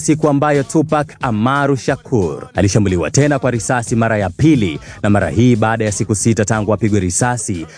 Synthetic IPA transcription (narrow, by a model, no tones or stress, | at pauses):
sikuambajɔtupakamaɾuʃakʰuɾaliʃambuliwa̰tɛnakwaɾisasimaɾajapilinamaɾa̰hiːɓaːɗajasikusitataŋɡuapiɠwɛɾisasi